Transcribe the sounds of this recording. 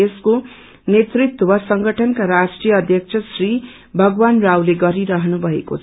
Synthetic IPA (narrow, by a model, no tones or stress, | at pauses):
esko | net̪rit̪wʌsʌŋɡʌʈʰʌnkaɾasʈrijʌːd̪ʱjʌk̚t͡sʰʌsri | bʱʌɡwanrawleɡʌɾiɾʌɦʌnubʱʌḛkot͡sʰ